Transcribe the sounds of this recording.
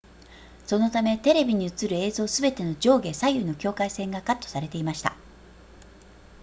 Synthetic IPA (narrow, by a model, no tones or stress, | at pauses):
so̞no̞t̪ame̞t̪e̞ɾe̞bʲiɲ̟iɯ̟t͡sɨɾɯ̟e̞ːzo̞ːsɨbe̞t̪e̞no̞d͡ʑo̞ːɡe̞sajɯ̟no̞kʲo̞ːkaisẽ̞ŋɡakat̪ːo̞̥saɾe̞t̪e̞imaɕi̥t̪a̰